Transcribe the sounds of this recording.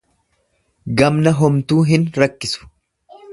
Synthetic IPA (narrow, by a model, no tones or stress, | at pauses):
ɡɐmnɐɦɔmt̪uːɦɪnɾɐkːɪsʊ̥